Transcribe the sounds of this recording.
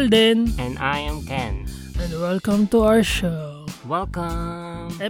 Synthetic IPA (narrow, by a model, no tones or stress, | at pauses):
ld̪ɛ̃nɛ̃najɛ̃mkɛ̃n | ɛ̃ndwɛlkə̃mt̪uawəʃowɛlkə | ɛ